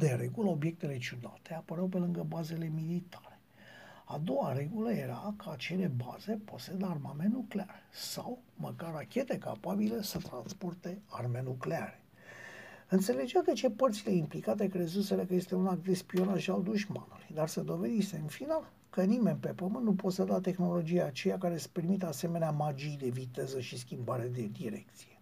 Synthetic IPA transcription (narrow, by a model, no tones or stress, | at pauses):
d̪e̞ɾe̞ɡuləo̞bje̞k̚t̪e̞le̞t͡ʃud̪at̪e̞apəɾawpe̞lɨŋɡəbaze̞le̞milit̪ʰḁɾe̞ | ad̪o̞ware̞ɡuləje̞ɾakaːt͡ʃe̞le̞ba̰ze̞po̞se̞d̪əarmamenuklearsawməkarakʲe̞t̪e̞ka̰pabilesət̪ɾanspo̞rt̪e̞arme̞nuklea̰ɾe̞̥ | ɨnt̪se̞le̞d͡ʒead̪et͡ʃe̞pərt̪sile̞implikat̪̬e̞kɾe̞zuselekəje̞st̪eunakd̪espio̞naʒald̪uʃma̰nulujd̪arsəd̪o̞ve̞d̪iseɨnfinal | kənime̞nʲpe̞pəmɨnːupo̞t̪sed̪at̪e̞xno̞lo̞d͡ʒijaːt͡ʃe̞jakaɾe̞spermit̪ase̞me̞neamad͡ʒijd̪e̞vit̪e̞zəʃiskʲimbaɾed̪e̞d̪iɾe̞̰k̚t̪sije̞